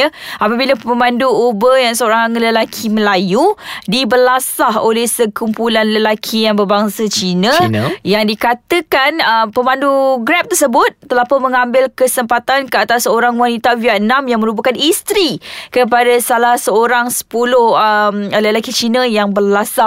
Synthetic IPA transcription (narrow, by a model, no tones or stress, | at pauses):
apəbilaəmãnduubəjaŋsəoɾaŋləlakʰiməlajudibərlasaholɛhsəkumpulanləlakʰijaŋbərbaŋsət͡ʃinə̃jaŋdikat̪əkanəpəmãnduɡɾɛp̚t̪ərsəbʊt̪̚ːəlapamə̃ŋãmbɪlkəsəmpat̪ankəat̪asːəoɾaŋwanit̪aviaʔnãmjaŋmə̃ɾup̬akanist̪ɾikəp̬adasalahsəoɾaŋsə̥pulʊhəmləlakit͡ʃinəjaŋbərlasa